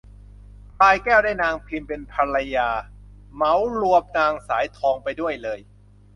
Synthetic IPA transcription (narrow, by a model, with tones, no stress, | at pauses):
p̪aː˧jkɛː˥˩wdaː˥˩jnaː˧ŋpʰi˧mpe˧npʰa˧ɾa˧jaː˧ | ma˩˦wlu˧əp̚naː˧ŋsaː˩˦jt̪ʰɔː˧ŋpa˧jdu˥˩əjlɤː˧j